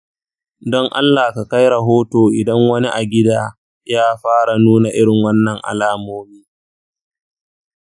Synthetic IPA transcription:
dɔ˦ŋʔa̰˦lːaː˨ka˨ka˦jɾɐ˨ɦoː˦toː˨ʔɪ˨dɐ˦ŋwɐ˦ni˦ʔa˨ɡʲɪ˦daː˦ | jaː˦ɸaː˦ɽa˨nuː˦na˨ʔɪ˦ɽɪ˨ŋwɐ˦nːɐ˨ŋʔa̰˨laː˦moː˦miː˦

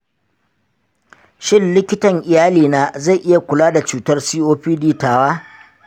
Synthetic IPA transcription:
ʃɪ˦nlɪ˦kʲɪ˦tɐ˨ŋʔɪ˨jaː˦liː˨naː˦za˦˨jʔɪ˦ja˨kʷʊ˨laː˦da˨t͡ʃuː˨tɐ˦rsiː˦ʔoː˦ɸiː˦diː˦taː˨waː˦

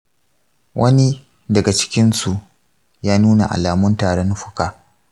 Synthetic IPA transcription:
wʔɐ˦ni˦ | dɐ˨ɡa˨t͡ʃɪ̥˦kʲɪ˦nsu˨ʔ | jaː˦nuː˦na̰˨ʔa̰˨laː˨mʊ˦ntaː˨ɽɐ˦nʊ˦ɸʊ̥˦kaː˨

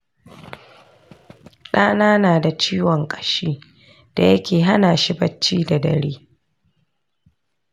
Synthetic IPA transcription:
ɗaː˦naː˦naː˨da˨t͡ʃiː˦wɔ˨ŋkʼɐ̥˨ʃiː˦ | d̥a˨jɐ˦kʲeː˨ɦa˦naː˨ʃi˦bɐ˦t͡ʃːiː˦da˨dɐ̰˨ɾiː˦

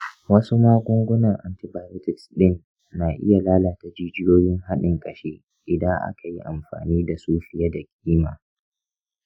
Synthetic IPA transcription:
wɐ˦su˦maː˦ɡʷʊ˦ŋɡʷʊ˦nɐ˨ŋʔa˨ntɪ˨baː˨jo˦tɪ˨ksɗɪ˦˨nː | aː˨ʔɪ̰˦ja˨laː˦laː˨ta˨d͡ʒiː˦d͡ʒɪ˦joː˦jɪ˦ŋɦa˦ɗɪ˨ŋkʼɐ˨ʃeː˦ | ʔɪ˨dɐ˦ŋʔa̰˦kʰa˨ji˦ʔa˨mɸa̰ː˨niː˦da˨suː˦ɸɪ˨ja˦da˨kʲʼiː˦maː˨

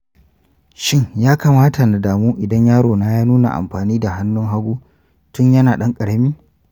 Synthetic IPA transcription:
ʃɪ˦ɲjaː˦ka˨maː˦ta˨na˨daː˨muː˦ʔɪ˨dɐ˦ɲjaː˦ɽoː˨naː˦jaː˦nuː˦na̰˨ʔa̰˨mɸaː˨niː˦da˨ɦa˦nːʊ˦ŋɦa˦ɡʷuː˦ | tʊ˦ɲjɐ˦naː˨ɗɐ˦ŋkʼɐ˨ɽɐ˦miː˦

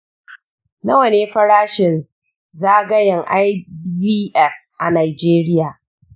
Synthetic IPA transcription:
nɐ˦wɐ˨neː˨˦ɸɐ˦ɾaː˦ʃɪ˨n | zaː˦ɡɐ˦jɐ˨ŋʔa˦jbiː˦ʔɛ˦˨fʔa̰˨naː˨d͡ʒeː˦ɾɪ˦jaː˨

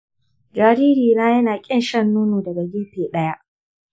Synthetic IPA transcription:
d͡ʒaː˨ɾiː˦ɾiː˨na˦jɐ˦naː˨kʲʼɪ˦nʃɐ˦nːuː˦nuː˨dɐ˨ɡa˨ɡʲɪ˦ɸeː˨ɗɐ˦ja˦ʔ

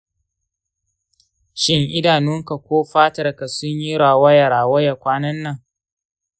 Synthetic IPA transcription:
ʃɪ˦ŋʔɪ˦daː˨nʊ˦ŋka˨kʷoː˦ɸaː˦tɐ˨rka˨sʊ˦ɲji˦ɽaː˨wɐ˦jɐ˨ɾaː˨wɐ˦jɐ˨kʷaː˦nɐ˦nːɐ˨ŋ

